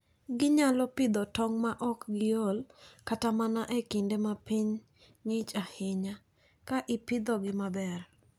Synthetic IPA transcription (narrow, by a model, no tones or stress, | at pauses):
ɡɪɲalɔpɪd̪ɔtɔŋmaʔɔkɡɪjolkatamanaʔekɪndemapiɲː | ɪt͡ʃahɪɲa | kaʔɪpɪd̪ɔɡɪmabɛr